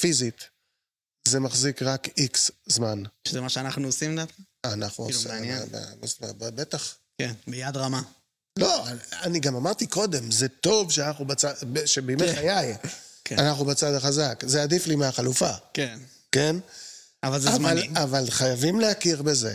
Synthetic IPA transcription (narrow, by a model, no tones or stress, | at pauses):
fizit | zemaχzikʁakikszmanʃezemaʃeanaχnuosimdafka | anaχnuosinba̰masababet̪aχ | kenbejad̪ʁama | lo̞aaniɡamamaʁt̪iko̞d̪e̞mzet̪o̞vʃeanaχnubat͡sabʃebemeχajajkeanaχnubat͡sad̪aχazakzeadiflimeaχalufaken | ke̞n | avalzevalavalχajavimlehakiʁbe̞ze̞